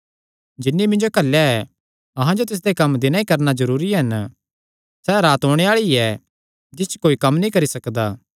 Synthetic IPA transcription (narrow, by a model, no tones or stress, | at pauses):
d͡ʒɪnːimɪ̃nd͡ʒokɐlːaɛ | ɐɦãd͡ʒot̪ɪs̬d̪ekɐmd̪ɪnãːikɐɾnazɐɾuːɾiɦɐn | sɛɾaːt̪ɦõːɽ̃eaːɭiɛ | d͡ʒɪst͡ʃkoːikɐmːnĩkɐɾisɐkd̪aː